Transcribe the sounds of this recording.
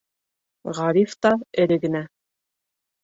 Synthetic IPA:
ʁɑɾift̪ɑɘ̆ɾɘɡɘ̆næ

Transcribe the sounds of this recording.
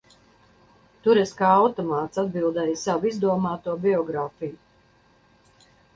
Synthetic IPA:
t̪uɾɛskaːawt̪ɔmaːt̪sad̪̚bilˠd̪ɛjsawizd̪uɔmaːt̪uɔbiɔɡɾaːfiju

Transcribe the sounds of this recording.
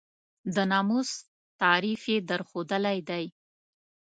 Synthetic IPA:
d̪ənɑmus | t̪ɑɾifed̪əɾxod̪əlajd̪aj

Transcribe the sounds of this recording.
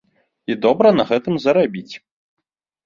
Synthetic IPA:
id̪ɔbɾɐnɐɣɛt̪ɨmzɐɾabʲit͡sʲ

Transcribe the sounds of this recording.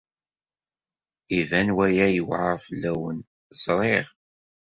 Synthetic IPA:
ivænwæjæjəwʕəfəlːæwən | sɾˤeʁ

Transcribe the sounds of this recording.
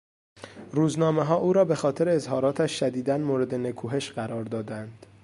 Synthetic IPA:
ɾuːznɒːme̞ɦɒːʔuːɾɒːbe̞xɒːt̪ʰe̞ɾeːzhɒːɾɒːt̪ʰæʃʃæd̪iːd̪ænmoːɾe̞d̪e̞nekʰuːɦe̞ʃɢæɾɒːɾd̪ɒːd̪ænd̪̥

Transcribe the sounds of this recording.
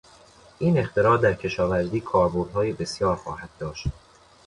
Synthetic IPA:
ʔiːne̞xt̪ʰe̞ɾɒːɾd̪æɾcʰe̞ʃɒːvæɾd̪iːkʰɒːɾboɾd̪hɒːjebe̞sjɒːɾxɒ̰ːhæd̪̥̚d̪ɒːʃt̪

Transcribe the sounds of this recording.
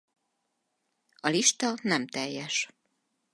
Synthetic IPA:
ɒliʃt̪ɒnɛmt̪ɛjːɛʃ

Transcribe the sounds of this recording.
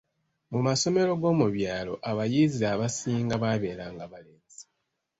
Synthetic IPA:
mumaso̞me̞ɾo̞ɡo̞ːmuβjaːlo̞̰ʔaβajiːziaβasiːŋɡaβaβe̞ːɾaːŋɡaβaleːnzi̥

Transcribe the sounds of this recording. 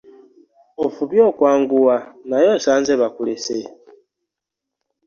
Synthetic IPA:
ofuβjokwaːŋɡuwanajosaːnzeβakulese

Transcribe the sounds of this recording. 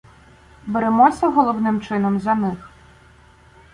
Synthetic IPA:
beɾemɔsʲɐɦɔlˠɔwnɪmt͡ʃɪnɔmzɐnɪx

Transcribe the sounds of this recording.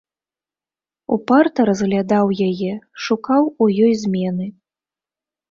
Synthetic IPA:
ṵpart̪ɐɾɐzɣlʲad̪awjajɛʂukawujɔjzʲmʲɛnɨ

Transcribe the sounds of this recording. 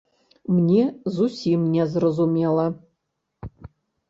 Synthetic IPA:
mnʲezusʲimnʲɛzrɐzumʲelˠɐ

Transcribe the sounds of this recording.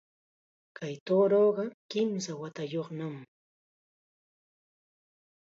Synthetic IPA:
kajt̪oːɾoːɢɑkɪmsawat̪ajoχnam

